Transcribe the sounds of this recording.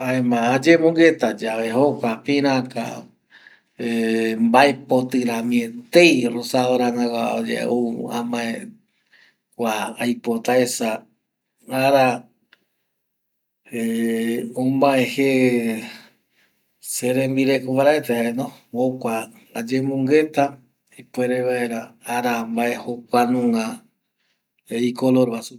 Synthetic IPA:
aemãːd͡ʒemõŋɡet̪ad͡ʒaβeɦokʷapĩɾ̃ãka̰ | embaepot̪ɨɾãmĩẽt̪e̞jrosaoɾanãkʷa̰o̰d͡ʒḛuã̰mãe | kʷaːjpot̪aesa | aɾa | eõmãẽhe | seɾẽmbiɾekoβaɾaet̪ehaenõokʷa | ad͡ʒemũŋɡe̞t̪a | ipweɾeβae̞ɾaaɾambaʔehokʷanũŋã | eikoloɾβasu

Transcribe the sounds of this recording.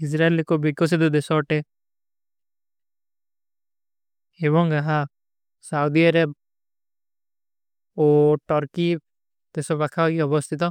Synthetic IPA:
ɪs̬ɾaelikobikɔs̬id̪ud̪esɔʈe | ebɔŋɡaɦa | saud̪iaɾeb̚ | oʈɔɾki | t̪esɔbakʰaiɔbɔst̪ʰit̪ɔ

